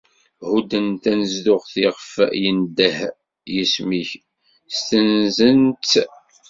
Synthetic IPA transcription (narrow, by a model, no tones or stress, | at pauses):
hud̪ənt̪ænəzðʊʁθɪʁfjənd̪əh | jismiç | st̪ənzənt̪